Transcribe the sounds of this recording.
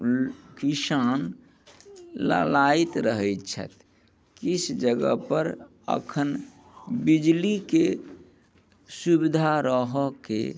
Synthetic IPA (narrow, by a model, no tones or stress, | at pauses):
kisan | la̰lait̪ɾəɦɛt̪̚t͡ʃʰə̰t̪ | kisd͡ʒəɡə̰pəɾ | ə̰kʰən | bid͡ʒlike | subid̪ʱaɾəɦəkḛ